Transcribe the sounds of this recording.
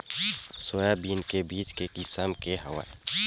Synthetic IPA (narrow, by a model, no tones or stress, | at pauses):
sojabiːnkebiːt͡ʃkekɪsəmkeɦə̰wa̰